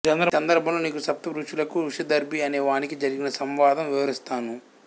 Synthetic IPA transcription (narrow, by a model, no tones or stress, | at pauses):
t͡ʃɐnd̪ɾɐɐnd̪ɐɾbʱɐmloːniːkusɐp̚t̪ɐʋɾuʂulɐkuɾuʂɐd̪ɐɾbʱiɐneːʋaːnikid͡ʒɐɾiɡinɐsɐmʋaːd̪ɐmʋiʋɐɾist̪aːnu